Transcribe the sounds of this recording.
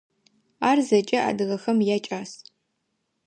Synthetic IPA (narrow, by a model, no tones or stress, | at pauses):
aːrzɐt͡ʃʼɐa̰ːdɨʁɐxɐmjaːt͡ʃʼaːs